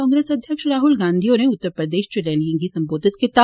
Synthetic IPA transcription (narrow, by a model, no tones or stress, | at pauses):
ɔ̃ːŋɡɾeːsɐd̪ʱjəkʃɾaːɦʊlɡãːnd̪ʱijoneʊt̪ːəɾpɾəd̪eːʃt͡ʃɐlɛːliẽŋɡisɐ̃mboːd̪ʱɪt̪kɪt̪a